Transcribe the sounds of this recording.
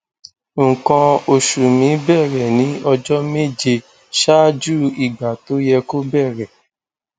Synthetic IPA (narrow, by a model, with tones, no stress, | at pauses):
ŋ̩˨kã˧o˨ʃu˨mĩ˨˦bɛ˦˨ɾɛ˨nĩ˨˦ɔ˧d͡ʒɔ˦me˦˨d͡ʒe˧ | ʃa˦d͡ʒu˦˨i˨ɡ͡ba˨to˨˦jɛ˧ko˦bɛ˦˨ɾɛ˨